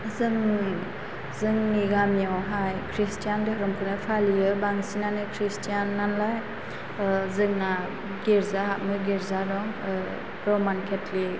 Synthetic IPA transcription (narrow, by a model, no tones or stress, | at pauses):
zɯŋ | zɯŋniɡamijawɦajkʰɾistʰijandaɾɔmkʰɯnɯpʰalijɯbaŋsinanɯkʰɾistʰijanːanlaj | zɯŋna | ɡeɾzaɦaʔ̚mɯɡeɾzaɾɔŋ | ɾɔmankʰetli